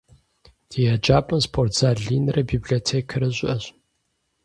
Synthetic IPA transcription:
d̥ijad͡ʒaːpʼɐnspʰortz̥aːɮiːnrɐbiːblioɔtʰeːkʰɐɾɐɕʷʼɪʔɐɕʼ

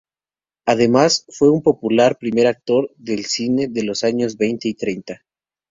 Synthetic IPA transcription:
aðe̞masfwe̞umpo̞pulaɾpɾime̞ɾak̚t̪o̞ɾðe̞lsine̞ðe̞lo̞saɲo̞zβe̞jnt̪e̞it̪ɾe̞jnt̪a

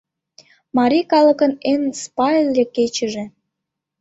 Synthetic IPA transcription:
mɑɾʲikɑlə̆kə̆nenspɑjlʲːeket͡ɕəʒĕ

